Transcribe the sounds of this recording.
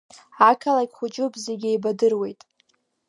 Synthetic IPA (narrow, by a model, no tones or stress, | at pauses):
akʰalajkʲχʷʊt͡ʃʼʊpʼzeɡʲejbadɨrwe̞jtʼ